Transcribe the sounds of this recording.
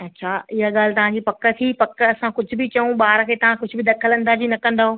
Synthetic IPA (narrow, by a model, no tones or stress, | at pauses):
ɐtːɕʰaːɪɦaɠaːlɪt̪ɐʋ̤ãːɲd͡ʑiːpɐkə̆t̪ʰipɐkəɐsãkʊd͡ʑʱʊ̆bɪt͡ɕɐũɓaːɾkʰeːt̪ɐʋ̤ãkʊd͡ʑʱʊ̆bɪd̪ɐkʰələ̃nd̪aːd͡ʑinɐkɐ̃nd̪aːɦoː